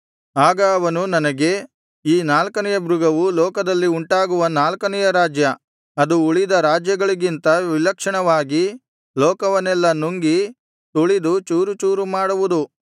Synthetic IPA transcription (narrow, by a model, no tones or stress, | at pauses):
aːɡɐːʋɐnunɐnɐɡe̞ | iːnaːlkɐnɛjɐbɾuɡɐʋulɔːkɐd̪ɐlːiuɳʈaːɡuʋɐnaːlkɐnɛjɐɾaːd͡ʒjɐ | ɐd̪uuɭid̪ɐɾaːd͡ʒjɐɡɐɭiɡint̪ɐʋilɐkʂɐɳɐʋaːɡi | lɔːkɐʋɐnɛlːɐnuŋɡi | t̪uɭid̪ut͡ʃuːɾut͡ʃuːɾumaːɽuʋud̪u